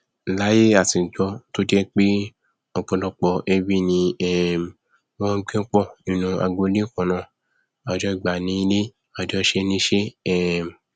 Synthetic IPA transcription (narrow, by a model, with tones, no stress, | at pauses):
la˨˦je˦a˦˨ti˨d͡ʒɔ˧˦to˦de˦k͡pe˦ | ɔ˧k͡pɔ̃˨˧lɔ˦k͡pɔ˧ʔe˧bi˦nĩ˧ɛ˦˨m˨ | wɔ̃˦ɡ͡bẽ˦k͡pɔ˦˨ĩ˨nũ˧a̰˧˨ɡ͡bo˧˦li˦kɔ̃˨nã˨ | a˨d͡ʒɔ˦˨ɡ͡ba˨nĩ˨˦i˧˦le˦ | a˨d͡ʒɔ˦ʃe˦nĩ˧˦ʃe˦ɛ˦˨m˨